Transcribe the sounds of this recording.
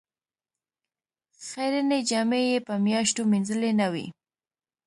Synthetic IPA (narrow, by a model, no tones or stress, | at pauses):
xajɾəned͡ʒɑmejepəmjɑʃtominzəlenawḭ